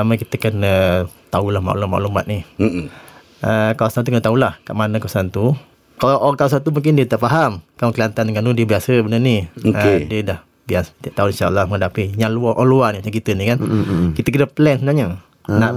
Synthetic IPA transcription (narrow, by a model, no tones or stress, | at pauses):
aməkit̪əkənət̪aulahma̰ʔṵlɔma̰ʔṵlumbat̪̚ni | əkawasanukənət̪aulahkaʔmanə̃kawasant̪u | kaʔɔkawas̬ant̪umũŋk̬ɪndiət̪aʔfaɦamkamukliant̪anəŋanudiəbiasəbənənioəkediədah | biast̪aʔt̪auinʃaʔə̰lːaməŋədapijaluaʔɔluanimat͡ʃakit̪ənikankit̪əkənapəlɛnsənaɲə | naʔ